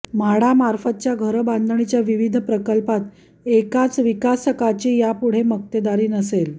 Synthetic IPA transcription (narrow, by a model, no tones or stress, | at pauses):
maɽ̤amaɾfət̪̚t͡ɕjaɡʱəɾband̪ʱəɳit͡ɕjaʋiʋid̪ʱpɾəkəlpat̪ | ekat͡sʋikasəkat͡ɕiːjapuɽ̤emək̚t̪ed̪aɾiːnəsel